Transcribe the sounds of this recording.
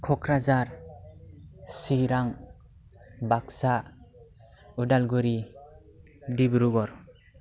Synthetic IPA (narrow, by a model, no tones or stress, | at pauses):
kʰɔkʰɾazaɾ | siɾaŋ | baksa | udalɡuɾi | dibɾuɡɔɾ